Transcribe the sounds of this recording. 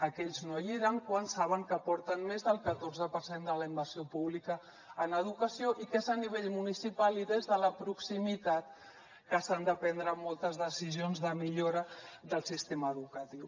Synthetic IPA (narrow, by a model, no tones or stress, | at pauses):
əkɛʎznojiɾaŋkwansaβəŋkəpɔɾt̪ənmezðəlˠkət̪orzəpəɾsend̪ələimbərsiopuβlikəː | nəðukəsioʔikezəniβ̞eʎmunisipaliðezðələpɾuksimit̪at̪̚ | kəsand̪əpɛnd̪ɾəmɔlˠt̪əzðəsizionzðəmiʎoɾəðəlˠsist̪eməːðukət̪iw